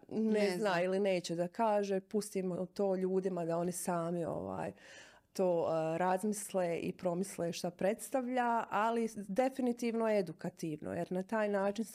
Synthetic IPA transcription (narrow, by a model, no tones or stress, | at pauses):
neznailine̞ːt͡ɕed̪akaːʒeːpust̪iːmot̪o̞ːʎuːd̪imad̪ao̞nisaːmio̰ʋa̰ːj | t̪oːɾazmisleʔḭpɾo̞misleʃt̪apɾe̞t̪st̪aʋʎaalid̪e̞finit̪iːʋnoed̪ukat̪iːʋno̰jeɾnat̪aːjnaːt͡ʃin